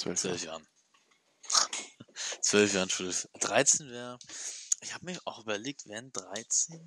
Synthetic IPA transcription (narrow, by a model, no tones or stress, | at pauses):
t͡sœ̰t͡svœlfjaːʁn | t͡sv̥œlfjaːʁən̩ʃulɪsd̥ʁaɪt͡seːnvɛːʁəʔɪçhaːbəmiːɐʔaʊxʔyːbɐleːk̚tv̥ɛndʁaɪt͡seːn